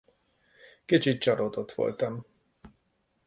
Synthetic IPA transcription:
kit͡ʃit̪̚t͡ʃɒɾod̪ot̪ʋo̰lt̪ɒm

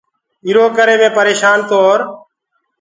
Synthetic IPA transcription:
iɾoːkəɾeːmẽːpəɾeːʃaːnt̪oːɾ

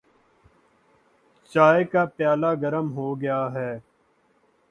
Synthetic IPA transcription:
t͡ʃaːekaːpjaːlaːɡəɾəmɦoːɡɐjaːɦɛː

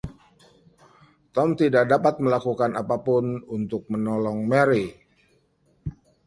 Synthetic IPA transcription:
t̪ɔmt̪idaʔ̚dapat̪̚məlakukanapapʊnunt̪ʊk̚mənɔlɔŋmɛɾi

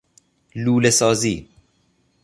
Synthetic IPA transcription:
luːlesɒːziː

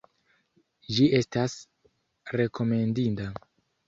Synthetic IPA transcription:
d͡ʒie̞stas | ɾe̞ko̞me̞ndinta

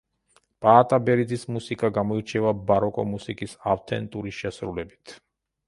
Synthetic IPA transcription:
pʼaːt̪ʼabɛɾid̪zismusikʼaɡamɔiɾt͡ʃʰɛvabaɾɔkʼɔ̰musikʼisaft̪ʰɛ̰nt̪ʼuɾiʃɛsɾulɛbit̪ʰ

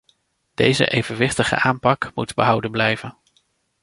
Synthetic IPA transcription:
d̥ejzə̰ʔejvənʋɪχtəχə̰ʔaːmpɑkmutbəɦʌwdənblɛjvən

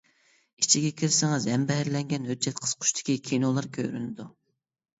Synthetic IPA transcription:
it͡ʃʰiɡʲɛkʲʰiɾsɪŋɨzɛmbɛɦæɾlɛŋɡʲɛnøt̪̚t͡ʃʰːɛt̪qʰə̥z̥qʰʊ̥ʃt̪ʰɪ̥kʲikʲʰinolˠɑɾkʲʰø̰ɾynɪd̪u

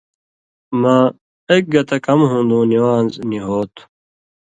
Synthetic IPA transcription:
mãː | eːk̚ɡɐt̪ɐkɐmɦũːnd̪ũːniwaːnzniɦoːt̪ʰu̥

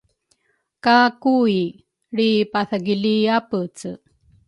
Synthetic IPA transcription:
kakui | ɽipaθaɡiliapət͡sə

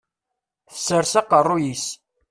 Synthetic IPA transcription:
θə̥sːəɾsɑqərˤːʊjis

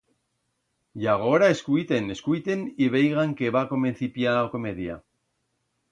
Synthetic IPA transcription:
jaɣ̞oɾaeskujt̪eneskujt̪eniβ̞ejɣaŋkeβako̞menθipjaokomeðja̰

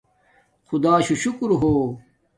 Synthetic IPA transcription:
xud̪aːɕuɕukɾɦoː

